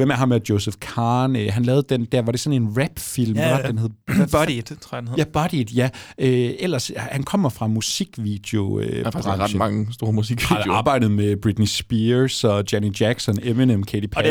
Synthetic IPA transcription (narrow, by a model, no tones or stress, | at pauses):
ʋem̰æɦɑ̈mæɐd̥jo̝ʊsefkʰɑːnøɦænlɛːʊð̩ˠd̥end̥æɐʋɑ̈ɾ̥e̝sɒ̽ne̝nʁæb̥fil̰md̥enheðˠi̥jæb̥ɒ̽ɾ̥id̥jæøel̰ɐshænkʰɒ̽m̰ɐfʁɑ̈musiɡ̥ʋḭd̥jo̝øʁɑd̥mɑ̈ŋəsd̥o̝ːɐmusiɡ̥ʋijɑ̈ːb̥ɑ̈ɪ̰ɾ̥ð̩ˠmeb̥ʁid̥nisb̥isɒ̽d̥jænidjæɡ̥sɒ̽nemenemkʰed̥ipʰ